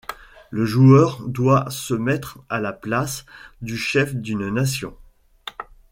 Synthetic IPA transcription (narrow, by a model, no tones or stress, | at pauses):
ləʒuœʁd̪wasəmɛt̪χalaplasd̪yʃɛfd̪ynnasjɔ̰̃